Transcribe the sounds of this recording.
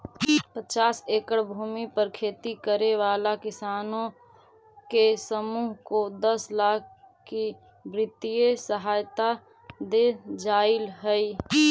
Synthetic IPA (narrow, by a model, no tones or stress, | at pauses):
pət͡ʃaːseːkəɽbʱuːmipəɾkʰeːt̪ikəɾeʋaːlakɪsaːnõ | kesəmuːɦkod̪əslaːkʰ | kːi | bɾɪt̪ijesəɦaːjt̪a | d̪ed͡ʒaːɪlɦəi